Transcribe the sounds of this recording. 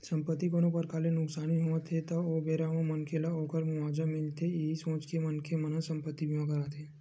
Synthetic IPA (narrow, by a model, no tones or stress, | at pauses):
sə̃mpət̪ːikoːnõpəɾkaːlenʊksaːniɦoət̪ʰet̪ɐobeːɾamõmənkʰelaoːkəɾmʊʋaːd͡ʒamɪlt̪eeɦisõːt͡ʃkemənkʰemənəsə̃mpət̪ːibiõkəɾat̪ʰeː